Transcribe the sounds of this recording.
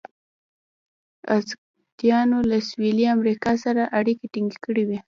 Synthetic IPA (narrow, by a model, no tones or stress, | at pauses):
az | d̪jɑnolaswiliamɾikɑsaɾaʔaɽikeʈiŋɡekəɽiwi